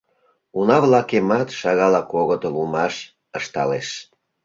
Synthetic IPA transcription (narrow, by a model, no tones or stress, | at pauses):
unɑβlɑkemɑt̪ʃɑɣɑlɑkoɣət̪olumɑʃ | əʃt̪ɑ̰leʃ